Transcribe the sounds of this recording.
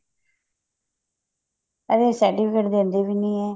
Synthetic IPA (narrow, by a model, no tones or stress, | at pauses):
əd̪eːsɛːɾʈiːpɪkeːʈd̪eːənd̪eːʋiːnĩːɛː